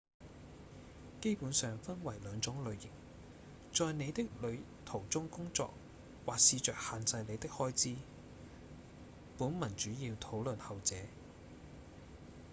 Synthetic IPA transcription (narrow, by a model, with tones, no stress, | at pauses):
ke˥jpuː˨˥nsœː˨ŋfɐ˥nwɐ˨˩jlœː˨˧ŋt͡sʊ˨˥ŋlɵ˨˧ɥjɪ˨˩ŋ | t͡sɔː˨˧jne˨˧jt̪ɪ˥k̚lɵ˨˧ɥ | t̪ʰo˨˩wt͡sʊ˥ŋkʊ˥ŋt͡sɔ̰ː˧k̚ | waː˨k̚siː˧t͡ʃœː˨k̚haː˨nt͡sɐ˧jle˨˧jt̪ɪ˥k̚hɔː˥jt͡siː˥ | puː˨˥nmɐ˨˩nt͡ʃyː˨˥jiː˧wt̪ʰo˨˥wlɵ˨nhɐ˨wt͡sɛː˨˧˥